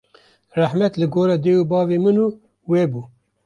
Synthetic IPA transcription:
raħmɛt̪lɨɡoːɾɑːd̪eːubɑːvemɨnuː | weːbuː

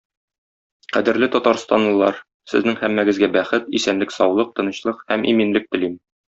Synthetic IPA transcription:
qæd̪ɘ̆ɾlɘt̪ɒt̪ɑɾst̪ɑnlˠɤ̆lˠɑɾ | sɘ̆znɘŋhæmːæɡɘ̆zɡæbæχɘt̪isænlɘksɒwlˠɤq̚t̪ɤ̆nɤ̆ɕlˠɤqhæmiminlɘk̚t̪ɘ̆lim

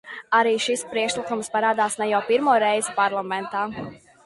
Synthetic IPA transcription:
aɾiːʃispɾiɛkʃlˠikumspaɾaːd̪aːsnɛjawpiɾmuɔɾɛjzɪpaɾlˠamɛnt̪aː

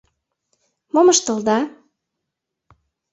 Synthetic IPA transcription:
momɤʃt̪ɤ̆ld̪ɑ

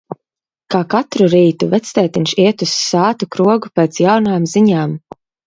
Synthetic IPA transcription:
kaːkat̪ɾuɾiːt̪uvɛt̪st̪ɛːt̪inʃiɛt̪usːaːt̪ukɾuɔɡupeːt̪sjawnaːmziɲaːm

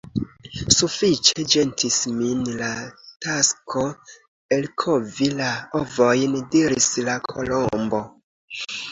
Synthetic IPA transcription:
sufit͡ʃe̞d͡ʒe̞ntʰisminlataskʰo | elkʰovilaovojndiɾislakʰolombo̞

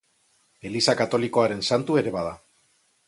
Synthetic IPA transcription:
e̞lisakat̪o̞liko̞aɾe̞nsant̪ue̞ɾe̞βað̞a

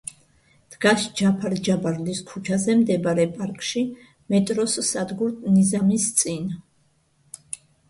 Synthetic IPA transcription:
d̪̥ɡaʃd͡ʒapʰaɾd͡ʒabaɾliskʰut͡ʃʰazɛmd̪ɛbaɾɛpʼaɾkʼʃi | mɛt̪ʼɾɔssad̪ɡuɾt̪ʰnizamist̪sʼin

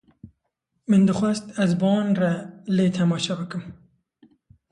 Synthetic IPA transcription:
mɨnd̪ɨxʷwɐst̪æzbɑːnraleːt̪ʰɛmɑːʃɛbɨkɨm

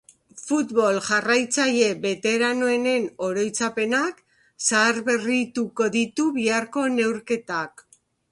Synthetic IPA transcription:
fut̪βo̞lʝarajt͡saʎe̞βe̞t̪e̞ɾano̞e̞ne̞no̞ɾo̞jt͡sape̞nak | saːɾβe̞rit̪uko̞ðit̪uβiaɾko̞ne̞wɾke̞t̪ak

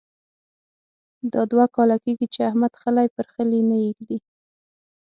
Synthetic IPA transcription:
d̪ɑd̪wakɑlakeɡit͡ʃeahmad̪xəlajpəɾxəlinajeɡd̪i

